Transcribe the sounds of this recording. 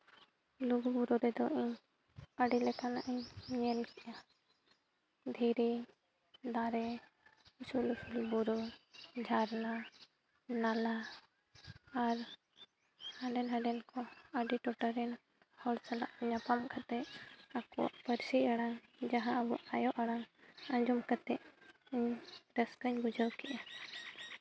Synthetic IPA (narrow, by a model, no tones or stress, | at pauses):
luɡbuɾɔɾɛd̪ɔʔiɲ | əɖilɛkanaʔɛɲɲɛlkɛʔa | d̪ʱiɾi | d̪aɾɛ | usulusulbuɾɔd͡ʒʱaɾna | nala | ɾ | hə̃ɖɛnɦə̃ɖɛnkɔəɖiʈɔʈəɾɛn | hɔlsala̰ʔɲɐpamkʰat̪ɛakua̰ʔpəɾsiaɽaŋd͡ʒãɦãbuʔajɔʔɐɽaŋɐ̃d͡ʒumkat̪ɛʔiɲɾəskəɲbud͡ʒʱawkiʔa